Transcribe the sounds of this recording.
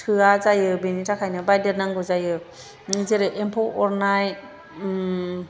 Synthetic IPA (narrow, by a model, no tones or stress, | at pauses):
tʰɯazajɯbenitʰakʰajnɯbajdeɾnaŋɡɯzajɯ | ŋɯzeɾɯʔempʰɔʔɔɾnaj